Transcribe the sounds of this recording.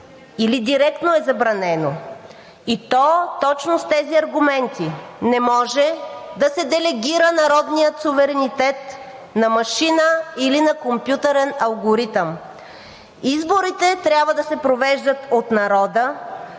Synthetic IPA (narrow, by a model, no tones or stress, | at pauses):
ilid̪iɾɛk̚t̪noɛzɐbɾɐnɛno | it̪ɔt̪ɔt͡ʃnost̪ɛziɐɾɡumɛnt̪inɛmɔʒɛd̪ɐsɛd̪ɛlɛɡʲiɾənɐɾɔd̪nijət̪suvɛɾɛnit̪ɛt̪ | nɐmɐʃinəilinɐkompjut̪ɛɾɛnɐlˠɡoɾit̪əm | izboɾit̪ɛt̪ɾʲabvəd̪ɐsɛpɾovɛʒd̪ət̪ot̪nɐɾɔd̪ə